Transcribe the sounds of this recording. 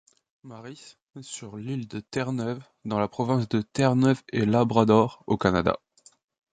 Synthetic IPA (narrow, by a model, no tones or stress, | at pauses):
maʁis | syʁlild̪ət̪ɛʁnœv | d̪ɑ̃lapχɔvɛ̃s̬d̪ət̪ɛʁnœvelabʁad̪ɔʁokanad̪a̰